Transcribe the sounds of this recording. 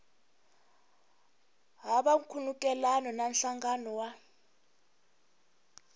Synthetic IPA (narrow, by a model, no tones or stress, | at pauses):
ɦaɓaŋ̩kʰulukʼɛlanɔnam̩ɬaŋɡanɔwa